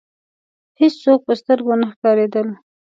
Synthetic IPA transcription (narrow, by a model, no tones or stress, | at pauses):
hessok̚pəst̪əɾɡonaxkɑɾed̪əl